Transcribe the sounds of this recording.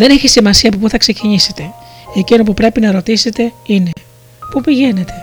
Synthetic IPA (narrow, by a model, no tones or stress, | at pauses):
ðe̞ne̞çisimɐsiɐːpopuθɐkse̞ciɲise̞t̪e̞ecino̞pupɾe̞pinɐɾo̞t̪ise̞t̪e̞ine̞ | pupiʝe̞ne̞t̪e̞